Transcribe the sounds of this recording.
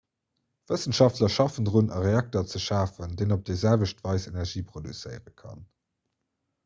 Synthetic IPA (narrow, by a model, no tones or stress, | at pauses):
v̥əsənʃɑftlɐʃɑfəndʁunɑ̰ʁeɑk̚tɐt͡səʃaːfəndeɪnop̚d̥ezælvəʃtvɑɪsenɛʁʒiːpχodṵt͡sə̰ɪʁəkʰɑ̰n